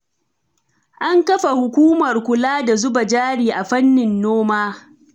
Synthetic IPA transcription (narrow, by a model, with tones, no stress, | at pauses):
ʔa˦ŋkɐ˦ɸa˨hʊ˨kʷuː˦mɐ˨rkʷʊ˨laː˦da˨zʊ˦ba˨d͡ʒaː˦ɽiː˨ʔa˨ɸɐ˦nːɪ˨nːoː˦maː˦